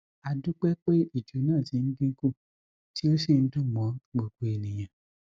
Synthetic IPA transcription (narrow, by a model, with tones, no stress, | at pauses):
a˧du˦k͡pɛ˦k͡pe˦i˦˨d͡ʒo˨˦nãː˦˨ti˨˦n̩˦ɡĩ˦ko˦˨ | ti˦o˦se˦˨n̩˦dũ˦˨mɔ̃˨˦ɡ͡bo˨ɡ͡bo˨e˨nĩ˨j̃ã˨